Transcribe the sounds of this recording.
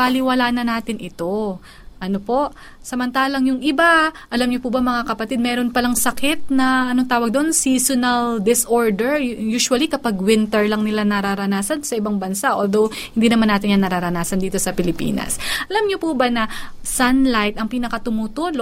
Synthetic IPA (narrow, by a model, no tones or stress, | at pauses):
pɐlɪwɐlaːnɐnaːt̪ɪnʔɪt̪o̞ | ʔɐnopo̞ʔ | sɐmɐnt̪aːlɐŋjʊŋʔɪbaʔɐlamɲopubɐŋmɐŋakɐpɐt̪ɪd̪̚mɛːɾo̞npɐlɐŋsɐkɪt̪̚nɐɐnoŋt̪aːwɐɡ̚d̪oʔnsiːsonɐld̪ɪsʔoɹd̪ɛɹjuːʃwɐlikɐpaɡwɪnt̪ɛɹlɐŋnɪlanɐɾaɾɐnaːsɐnsɐʔɪbaŋbɐnsaʔoːld̪owhhɪnd̪iːnɐmanːaːt̪ɪnjanɐɾaɾɐnaːsɐnd̪iːt̪o̞sɐpɪlɪpḭːnɐ̰sʔɐlamɲopubɐnɐsɐnlajt̪ɐŋpiːnɐkɐt̪ʊmuːt̪uːlo